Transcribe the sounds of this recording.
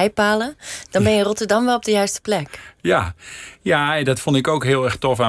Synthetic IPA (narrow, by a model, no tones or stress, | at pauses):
jpaːləd̥ɑnbɛnjɪrɔtəɹdɑmʋɛlˠɔp̚dəjœɥstə̥plɛkjajaɛdɑtfɔntɪkowkɦɪːlˠɛrxtɔfa